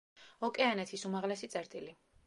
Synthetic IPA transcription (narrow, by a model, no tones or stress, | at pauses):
ɔkʼɛanɛt̪ʰisumaʁlɛsit̪sʼɛɾt̪ʼili